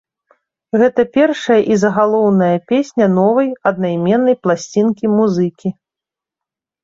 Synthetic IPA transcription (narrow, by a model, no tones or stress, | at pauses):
ɣɛt̪ɐpʲɛrʂɐjɐʔizɐɣalˠɔwnɐjɐpʲesʲnʲɐnɔvɐjɐd̪najmʲɛnːɐjplˠasʲt͡sʲinkʲimuzɨkʲi